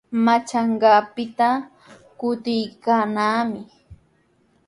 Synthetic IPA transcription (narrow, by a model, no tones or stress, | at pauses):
mat͡ʃaɴɢɑːpɪt̪a | kʊt̪ɪjkaːnaːmɪ